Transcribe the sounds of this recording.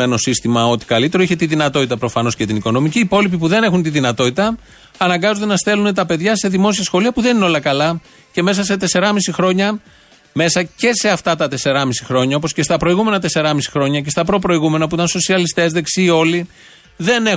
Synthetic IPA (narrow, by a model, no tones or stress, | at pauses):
e̞no̞sist̪imɐo̞t̪i̥kɐlit̪e̞ɾo̞içet̪iðinɐt̪o̞t̪it̪ɐpɾo̞fɐno̞scet̪iniko̞no̞miciːpo̞lipipuðe̞ne̞xunt̪iðinɐt̪o̞t̪it̪ɐː | nɐŋɡɐzond̪enɐst̪e̞lune̞t̪ɐpe̞ðʝɐse̞ðimo̞s̬iɐsxo̞liɐpuðe̞nineo̞lɐkɐlɐ | ce̞me̞s̬ɐse̞t̪e̞se̞ɾɐmisixɾo̞ɲɐ | me̞sɐce̞se̞ɐft̪ɐt̪ɐt̪e̞se̞ɾɐmisixɾo̞ɲɐo̞po̞sce̞st̪ɐpɾo̞iɣume̞nɐt̪e̞se̞ɾɐmisi̥xɾo̞ɲɐce̞st̪ɐpɾo̞pɾo̞iɣume̞nɐpuit̪ɐnso̞siɐlist̪e̞zðe̞ksiːo̞li | ðe̞ne̞